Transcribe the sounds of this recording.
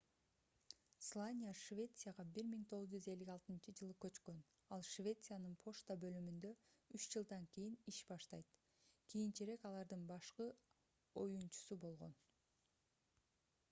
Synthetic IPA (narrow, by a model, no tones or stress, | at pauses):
slˠanʲɪjaʃvʲe̞t̪sɨjaʁɑbiɾmiŋt̪ʰo̞ʁɯzd͡ʒyze̞lːikɑlˠt̪ɯnt͡ʃɯd͡ʒɯlˠɯkø̞t͡ʃkø̞n | ɑlˠʃvʲe̞t̪sɨjanɯnpʰo̞ʃt̪abø̞lymynd̪ø̞yt͡ʃd͡ʒɯlˠd̪ɑŋkʲijiniʃbɑʃt̪ɑjt̪ | kʰijint͡ʃeɾe̞kɑlˠɑɾd̪ɯnbɑʃqɯ | o̞̰junt͡ʃu̥subo̞lˠʁo̞̰n